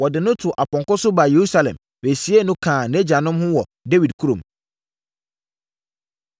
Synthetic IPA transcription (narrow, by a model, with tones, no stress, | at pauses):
wɔ˨dɪ˨nʊ̃˦tʰʊ˨ʔa˨pɔ̃˨ŋkʊ˦sʊ˦ba˨je˨ɾu˦sa˦lɛ̰̃˨m | we˨si˦e˦nʊ̃˦kʰãː˨nɛ˦d͡ʑa˨nʊ̃˦mhʊ̃˦wɔ˨de˦wi˨dkʰu˦ɾõ˨m